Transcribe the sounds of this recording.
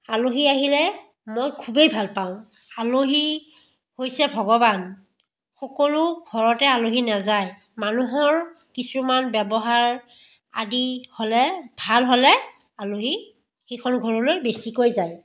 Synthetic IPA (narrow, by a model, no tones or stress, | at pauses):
aloɦiaɦilɛ | mojkʰubejbʱalpaʊ̃ | aloɦi | hojsɛbʱɔɡɔban | xɔkɔlʊɡʱɔɹɔtɛaloɦinazaj | manuɦɔɹ | kisumanbɛbɔɦaɹ | a̰diholɛbʱalɦolɛ | aloɦi | xejkʰɔnɡʱɔɹɔlojbesikojzaj